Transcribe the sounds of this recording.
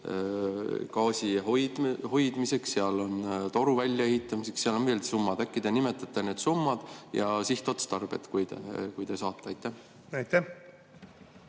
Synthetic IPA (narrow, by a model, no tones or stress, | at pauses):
kɑːsʲiɦoj̪ho̞jd̪̥mise̞ksseɑlo̞nt̪o̞ɾuvælʲːjɑehit̪ˑːɑmise̞kseɑlonveːld̪sumːɑd̪̥ækːˑid̪̥enime̞t̪ːˑɑt̪ːˑene̞ːd̪sumːɑd̪̥jɑsiht̪ˑot̪st̪ɑrb̥ḛt̪kujd̪ḛkujd̪e̞sɑːt̪ːˑeɑjt̪ːˑæh | ɑjt̪ːæh